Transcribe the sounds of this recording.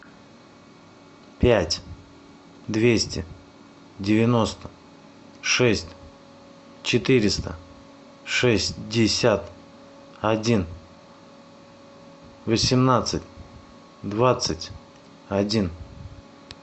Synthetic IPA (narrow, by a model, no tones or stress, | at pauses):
pʲætʲ | d̪vʲesʲtʲɪ | dʲɪvʲɪno̞st̪ə̥ | ʂɛsʲtʲ | t͡ɕɪt̪ɨɾʲɪst̪ə̰ | ʂɛsʲtʲdʲɪsʲat̪ | ɐdʲin | vəsʲɪmnat̪sɨtʲ | d̪vat̪sɨtʲ | ɐdʲin